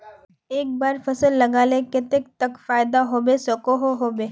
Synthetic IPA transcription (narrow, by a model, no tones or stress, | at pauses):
eːk̚baːɾfɐsəlːɐɡaːlekɪt̪ek̚t̪ɐkfaːjɪd̪aɦoːbesɐkoɦoɦoːbeː